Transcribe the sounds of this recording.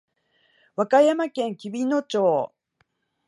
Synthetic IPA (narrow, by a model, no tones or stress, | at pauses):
βakajamakẽ̞ŋkʲibʲino̞t͡ɕoː